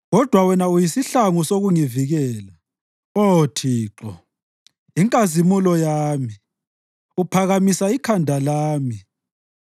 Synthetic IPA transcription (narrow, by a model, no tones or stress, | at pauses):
ɣɔd̥ʱwawɛnaujisiɬaŋusoɣuŋiviɣɛːla | otʰiːǁɔ̰ | iŋkʼazimulɔjaːmi | upʰaɣamisaikʰandʱalaːmi